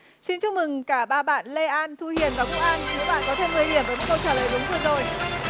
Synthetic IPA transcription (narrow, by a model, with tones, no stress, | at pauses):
si˧nt͡ɕʊ˧˥ŋ͡m̚mɨ˨˩ŋkaː˧˩ɓaː˧˩ɓa̰ː˧˨nle˧ʔaː˧nt̪ʰu˧hi˨˧˩ənvaː˨˩kʊ˧˥ŋ͡mʔaː˧nkɨ̰˨˧˦əwɓa̰ː˧˨nkɔ˨˦t̪ʰe˧mːɨ˨˩əjɗi˧˩əmvːmu˦˥n̚kə˧wt͡ɕaː˧˩ləː˨˩jɗʊ˨˦ŋ͡mt̪ʰəː˧nzo˧˩j